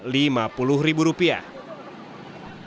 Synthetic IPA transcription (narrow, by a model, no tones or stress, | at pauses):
limapulʊhribuɾupia̰